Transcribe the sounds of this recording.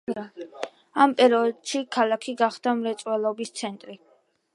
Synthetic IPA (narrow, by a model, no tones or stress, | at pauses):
ampʼɛɾiɔd̪ʃikʰalˠakʰiɡaχd̪amɾɛt̪sʼwɛlˠɔbist̪sʰɛnt̪ʼɾi